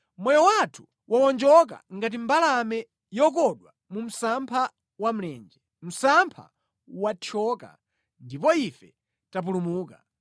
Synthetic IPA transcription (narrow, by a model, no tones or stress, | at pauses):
mɔjɔwatʰu̥ | wʔawɔnd͡ʒɔk̬a̰ŋɡat̬imbalamɛ | jɔk̬ɔɗwa | mum̩sampʰa | wam̩lɛːnd͡ʒɛ | m̩sampʰa̰ | wat͡ʃʰɔka̰ | ndipɔifɛ | tap̬ulumuːka